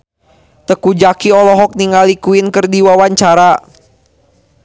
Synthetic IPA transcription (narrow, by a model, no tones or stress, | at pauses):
t̪əkud͡ʒakiɔlɔɦɔk̚niŋalikuinkərdiwawaɲt͡ʃaɾa